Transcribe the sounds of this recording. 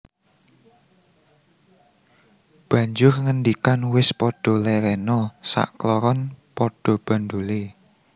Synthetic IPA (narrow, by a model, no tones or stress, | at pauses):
b̥ä̤ɲd͡ʒʊrŋənd̪ikanwɪspɔɖ̥ɔ̤lɛɾɛnɔsa̰ʔklɔɾɔnpɔɖ̥ɔ̤b̥ä̤nd̪ole